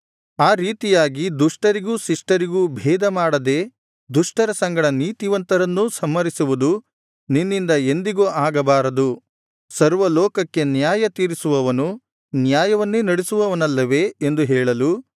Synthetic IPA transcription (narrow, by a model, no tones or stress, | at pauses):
aːɾiːt̪ijaːɡid̪uʂʈɐɾiɡuːʃiʂʈɐɾiɡuːbʱɛːd̪ɐmaːɽɐd̪e̞ | d̪uʂʈɐɾɐsɐŋɡɐɽɐniːt̪iʋɐnt̪ɐɾɐnːusɐmːɐɾisuʋud̪u | ninːind̪ɐe̞nd̪iɡoːʔaːɡɐbaːɾɐd̪u | sɐɾʋɐlɔːkɐkːe̞njaːjɐt̪iːɾisuʋɐʋɐnu | njaːjɐʋɐnːenɐɽesuʋɐʋɐnɐlːɐʋe̞end̪uɦɛːɭɐlu